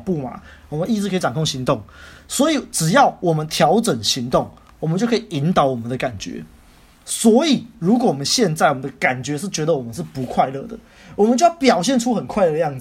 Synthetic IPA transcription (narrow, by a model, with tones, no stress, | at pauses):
pu˥˨ma̰˨˩wɔ˨˩mə˨ni˥˩t͡s̩˧˥kʰə˧˥i˨˩ʈ͡ʂɑ˨ŋkʰo˥˩ŋɕi˧˦ŋt̪o˥˩ŋswɔ˧˥i˨˩ʈ͡ʂɻ̩˨˩jɑ˥˩ʊwʔɔ˨˩mə˦nt̪ʰjɑ˧˥ʊʈ͡ʂə˨˩nɕi˧˥ŋt̪o˥˩ŋ | wɔ˨mə˦nt͡ɕjo˥˩ʊkʰə˦˥i˨˩i˧˦˥nt̪ɑ˨˧˦ʊwɔ˨˩mə˦nd̪ə˨ka˨˩nt͡ɕɥɛ̰˧˦ | swɔ˧˥i˨˩ɻu˧˥k̬wɔ˨˦wɔ˨˩mə˦nɕjɛ˥˧nt͡sa˥˩ɪwɔ˨˩mə˦nd̪ə˧ka˨˩nt͡ɕɥɛ˧˦ʂɻ̩˥˩t͡ɕɥɛ˧˥d̪ə˨wɔ˨˩mə˦nʂ̬̩˥˩pu˧˦kʰwa˥˧ɪlɤ̰˥˩d̪ə˩ | wɔ˨˩mə˨nt͡ɕo˥˧ʊjɑ˥˩pjɑ˨˩ʊɕ̬jɛ˥˨nʈ͡ʂʰu˦xə˨˩nkʰwa˥˧ɪlə˧˥˩ə˧jɑ˥˩ŋd͡z